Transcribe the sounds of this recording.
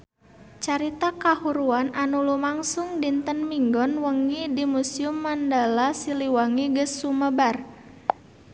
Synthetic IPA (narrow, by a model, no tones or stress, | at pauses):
t͡ʃaɾit̪akahuɾuanʔanulumaŋsʊŋdint̪ənmiŋɡɔnwəŋidimusiumːandalasiliwaŋiɡəsːuməbar